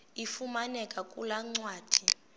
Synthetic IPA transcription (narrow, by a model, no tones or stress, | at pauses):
ifumanɛkʼakʼulaŋ͡ǀwaːd̥ʱi